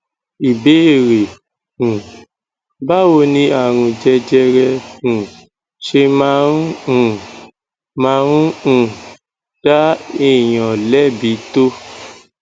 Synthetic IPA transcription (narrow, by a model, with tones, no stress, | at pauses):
i˨be˨˦e˦˨ɾe˨ | ũ˨ | ba˦wo˧nĩ˧a˦˨ɾ̃ũ˧d͡ʒɛ˧d͡ʒɛ˧ɾɛ˧ũ˨ | ʃe˧mã˦ũ˦ũ˦˨ | mã˧˦ɾũ˦ũ˨ | d̥a˦i˦˨j̃ã˨lɛ˦bi˨˦to˦